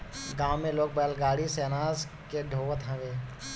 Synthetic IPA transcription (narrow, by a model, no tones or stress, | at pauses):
ɡãːmːẽloːk̚bɛːlɡaːɽiseːnaːz | keɖʱoːʋət̪ɦɛ̃ʋeː